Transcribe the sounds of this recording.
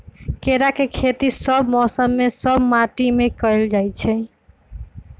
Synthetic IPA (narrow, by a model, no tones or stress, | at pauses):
keɾakekʰet̪isɔbmɔsəmːesɔbmaʈimekɔjld͡ʒajt͡ʃʰe